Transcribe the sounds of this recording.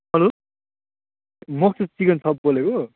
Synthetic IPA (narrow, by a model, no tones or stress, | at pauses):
ɦʌlo | mʌk̚t̪ʰet͡sikʌnt͡sʰʌb̚boleko